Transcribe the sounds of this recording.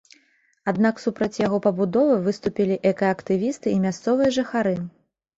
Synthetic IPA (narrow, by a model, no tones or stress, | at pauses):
ad̪naksupɾɐt͡sʲjaɣɔpɐbud̪ɔvɨvɨst̪upʲilʲiʔɛkɐɐkt̪ɨvʲist̪ɨimʲast̪sɔvɨjɐʐɨxaɾɨ